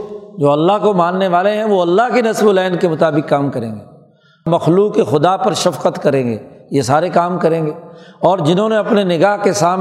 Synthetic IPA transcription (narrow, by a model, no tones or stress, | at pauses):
d͡ʒoːɐlːaɦkomãːnːeʋaːleɦɛ̃ʋoɐlːaɦkenɐsbolɛːnkemʊt̪aːbɪkːaːmkɐɾẽːŋɡeː | mɐxluːkːexʊd̪apɐɾʃɐfqət̪kɐɾẽːɡḛːjesaːɾekaːmkɐɾẽːŋɡeːɔːɾd͡ʒɪnɦõːneɐpnenɪɡaːɦkesaːm